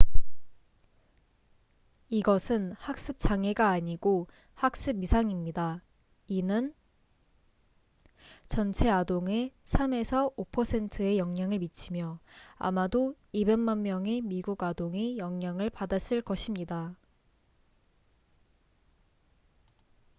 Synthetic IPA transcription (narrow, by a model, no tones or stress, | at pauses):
iɡʌsʰɯnhak̚s͈ɯp̚t͡ɕ͈aŋe̞ɡaːɲiɡo | hak̚s͈ɯbisʰaŋimɲida | inɯn | t͡ɕʌnt͡ɕʰe̞adoŋe̞sʰame̞sʰʌopʰʌsʰe̞ntʰɯe̞jʌŋɲaŋɯɭmit͡ɕʰimjʌa̰mado | ibe̞nmanmjʌŋe̞miɡuɡadoŋe̞jʌŋɲaŋɯɭpadas͈ɯɭkʌɕʰimɲida